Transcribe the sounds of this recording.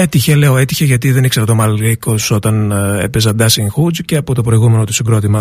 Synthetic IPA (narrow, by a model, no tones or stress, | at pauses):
et̪içele̞oe̞t̪içeʝɐt̪iðe̞nikse̞ɾɐt̪o̞mɐlɾikosso̞t̪ɐnepezɐd̪ɐsiŋxud͡zceɐpot̪o̞pɾo̞iɣume̞no̞t̪usiɡɾo̞t̪imɐ